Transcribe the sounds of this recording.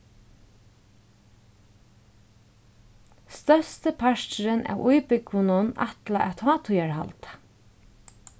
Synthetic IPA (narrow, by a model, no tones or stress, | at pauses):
st̪œst̪əpʰaʃt͡ʃɾənʔæ̰ːwʔujpʏkʊnʊna̰t̪laʔɛt̪ʰɑːt̪ʰujaɹha̰lt̪ḁ